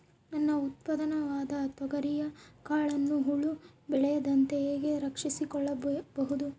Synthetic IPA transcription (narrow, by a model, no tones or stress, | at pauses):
nɐnːɐut̪̚pɐd̪ɐnɐʋaːd̪ɐːt̪ʋɐɡɐɾijɐkaːɭɐnːuɦuɭu | bɛɭɛjɐd̪ɐnt̪eeːɡe̞ɾɐkʂisikɔɭːɐbɐɦud̪u